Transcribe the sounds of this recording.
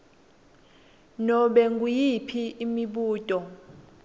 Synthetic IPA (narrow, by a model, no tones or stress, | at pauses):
nɔɓɛŋɡʼujipʰiːmiɓuːtʼɔ